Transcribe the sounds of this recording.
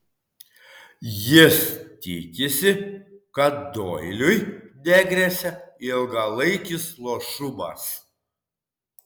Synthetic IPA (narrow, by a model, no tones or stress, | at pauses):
jɪst̪ʲɪkʲɪsʲɪkɐt̪̚d̪oːjlʲʊjd̪ʲɛɡɾʲesʲɛɪlˠɡɐlˠɐɪkʲɪslˠoːʃʊmɐ̰s